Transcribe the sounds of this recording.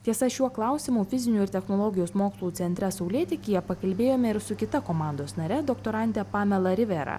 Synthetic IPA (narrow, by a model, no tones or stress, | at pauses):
t̪ʲiɛsɐʃʲuɔklˠɑˑʊsʲɪmuːfʲɪzʲɪnʲuːɪɾt̪ʲɛxnoːlˠɔːɡʲɪjoːsmoːkslˠuːt̪sʲɛnʲt̪ʲɾʲɛsɐʊlʲeːt̪ʲɪkʲijɛpɐkɐlʲbʲeːjoːmʲɛɪɾsʊkʲɪt̪ɐkoːmɑˑnd̪oːsnɐɾʲɛd̪oːkt̪oːɾɑnʲt̪ʲɛpɑːmʲɛlˠɐɾʲɪʋʲɛɾɐ̰